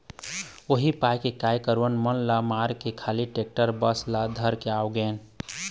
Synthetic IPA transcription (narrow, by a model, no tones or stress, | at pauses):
oɦipajkekajkəɾwənmənlamaɾkekʰaliʈek̚ʈəɾbəslad̪ʱəɾkeawɡɛːn